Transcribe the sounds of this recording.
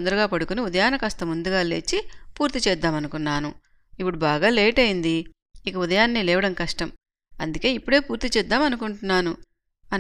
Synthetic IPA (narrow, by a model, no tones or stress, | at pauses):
nd̪ɐɾuɡaːpɐɽukuniud̪ɐjaːnɐkɐst̪ɐmund̪uɡaːle̞ːt͡ʃːipuːɾt̪it͡ʃɛːd̪ːaːmɐnukunːaːnu | ipːuɽubaːɡaːleːʈɐjind̪iː | kɐud̪ɐjaːnːiːlɛːʋɐɽɐnkɐʂʈɐm | ɐnd̪uke̞ːipːuɽe̞ːpuːɾt̪it͡ʃɛːd̪ːaːmɐnukuɳʈunːaːnu | ɐ